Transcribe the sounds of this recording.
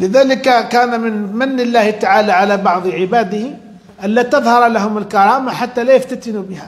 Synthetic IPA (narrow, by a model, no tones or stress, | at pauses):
lɪðaːlɪkakaːnamɪnmanːɪlːaːht̪aʕaːlaʕalabɑʕd̪ˤʕɪbaːd̪ɪhɪ | ʔalːaːt̪ɑðˤhɑɾˤlaɦʊmɪlkɑɾˤɑːmaħat̪ːalaːjaft̪at̪ɪnubɪha